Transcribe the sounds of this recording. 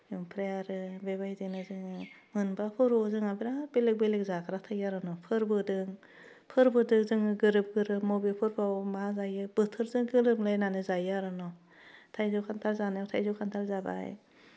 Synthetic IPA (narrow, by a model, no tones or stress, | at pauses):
juŋpʰɾeaɾɯbebajdinɯzɯŋɯmɯnbapʰɯɾɔzɯŋabiɾabelek̚belek̚zakʰɾatʰajaɾɯnɔpʰɯɾbɯdɯŋ | pʰɯɾbɯdɯkzɯŋɯɡɯɾɯp̚ɡɯɾɯp̚mɔbepʰɯɾpʰawmazajɯb̥ɯtʰɯɾzɯŋɡɯlɯplajnanɯzajaɾɯnɔ | tʰajzɔkʰantʰalzanajawtʰajzɔkʰantʰalzaba̰j̰